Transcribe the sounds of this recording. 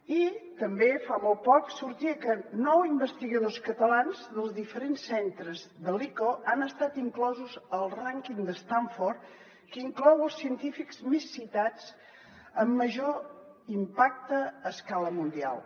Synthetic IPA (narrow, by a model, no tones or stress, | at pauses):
it̪əmbefamɔlˠt̪̚pɔksuɾt̪iəkənɔwimbəst̪iɣəðoskət̪əlanzðəlˠzðifəɾensːent̪ɾəzðəlikoanəst̪at̪iŋklɔzuzəlˠraŋkiŋd̪əst̪aɱfort̪ | kiŋklɔwəlˠsiənt̪ifikzmesːit̪at͡s | əmːəʒo | impak̚t̪əːskaləmund̪ia̰lˠ